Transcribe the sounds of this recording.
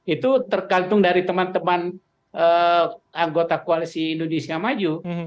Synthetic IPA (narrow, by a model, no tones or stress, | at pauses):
it̪ut̪ərkant̪ʊŋdaɾit̪əmant̪əman | əaŋɡot̪akoalisiːndonesiamad͡ʒu